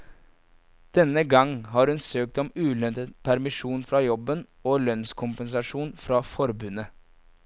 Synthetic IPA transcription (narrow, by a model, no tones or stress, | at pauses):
d̪̥ɛnəɡɑŋːɦɑːɾhʉnsøːk̚t̪ɔmʉːlœnt̪ət̪pʰæɾmɪʂuːnfɾɑjɔbən | oːlœnskʰʊmpəns̬ɑʂuːnfɾɑːfɔɾbʉnə